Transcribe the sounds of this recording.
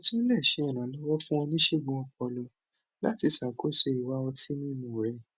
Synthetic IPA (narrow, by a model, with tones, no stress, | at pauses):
ɔ˧ti˦n̩˦lɛ˦˨ʃe˨˦ɛ˨ñã˨lɔ˦wɔ˦fũ˦ɔ̃˧nĩ˦ʃe˦˨ɡɔ̃˧ɔ˧k͡pɔ˧lɔ˧ | la̰˦ti˧sa˨ko˨˦˨ʃe˧˨i˨wa˧˦ɔ˧ti˦mĩ˦˧mũ˨ɾɛ˧˦